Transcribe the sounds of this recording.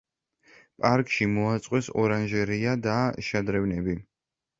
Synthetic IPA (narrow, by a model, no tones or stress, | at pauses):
pʼaɾkʼʃimɔat̪sʼqʼwɛsɔɾanʒɛɾiad̪aʃad̪ɾɛvnɛbi